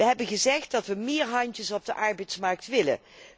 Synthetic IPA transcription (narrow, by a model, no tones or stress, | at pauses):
əɦɛbənχəzɛχt̚dɑtʋəmɪːɹɦɑntəsɔb̚dəʔɑɹbɛjtsmɑɹk̚tʋɪlə̰n